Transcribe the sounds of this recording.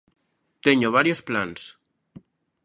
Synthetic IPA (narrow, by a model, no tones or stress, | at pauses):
t̪eɲoβ̞aɾjosplans